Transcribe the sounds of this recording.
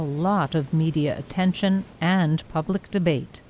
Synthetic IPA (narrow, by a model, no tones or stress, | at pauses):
əlɔɾʌvmiɾiɨ̰ʔɨ̰tʰɛ̃nʃɨ̃nɨ̃npʰʌblɨk̚d̥ɨbeɪt